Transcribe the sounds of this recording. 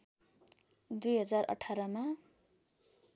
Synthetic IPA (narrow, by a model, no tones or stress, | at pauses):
d̪ujɦʌd͡zarʌ̰ʈʰaɾʌma